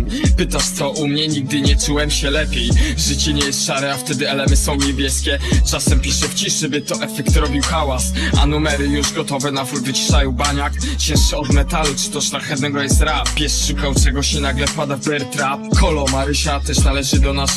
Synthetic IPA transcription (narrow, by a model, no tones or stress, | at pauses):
pɘt̪aʂt̪sɔʔumɲɛɲiɡ̚d̪ɘɲɛt͡ʂuwɛmɕɛlɛpʲjejʐɘt͡ɕɛɲɛjɛst̪ʂaɾɛaft̪ɛd̪ɘɛlɛmɘsɔ̃w̃ɲɛbʲjɛskʲɛt͡ʂasɛmpʲiʂɛft͡ɕiʂɛbɘt̪ɔʔɛfɛkt̪ɾɔbʲiwxawasa̰numɛɾɘjuʐɡɔt̪ɔvɛnavvɨt͡ɕi̥ʂajubaɲakt͡ɕɛ̃ʂɛɔd̪mɛt̪alut͡ʂɨ̥t̪ɔʂnaxɛvnɛɡɔjɛst̪ɾapʲjɛʂʂukawt͡ʂɛɡɔɕɛnaɡlɛfpad̪avbɛɾt̪ɾapkʰɔlɔmaɾɪɕat̪ɛʂnalɛʐɘd̪ɔnas